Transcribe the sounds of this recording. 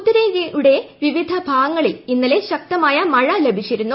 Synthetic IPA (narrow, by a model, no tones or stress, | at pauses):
t̪ɐɾeɣeuɽe̞ʋiʋid̪ʱɐbʱaːɐŋːɐɭilinːɐle̞ɕɐk̚t̪ɐmaːjɐmɐɻɐlebʱit͡ɕːiɾunːu